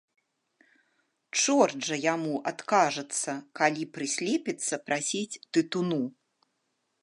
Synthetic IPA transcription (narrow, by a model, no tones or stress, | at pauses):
t͡ʂɔrd͡ʐɐjamuʔat̪kaʐɨt̪sːɐkalʲipɾɨsʲlʲepʲit̪sːɐpɾasʲit͡sʲt̪ɨt̪unu